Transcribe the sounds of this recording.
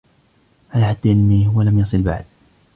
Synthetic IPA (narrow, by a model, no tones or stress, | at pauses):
ʕalaħad̪ːʔɪnːihwalamjɑsˤɨlba̰ʕd̪̚